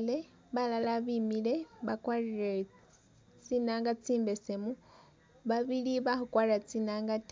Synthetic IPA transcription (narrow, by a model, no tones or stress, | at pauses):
le | βalalaβimileβakwarire | t͡sinaŋɡat͡siːmbesemu | βaβiliβaxukwaɾrat͡sinaŋɡat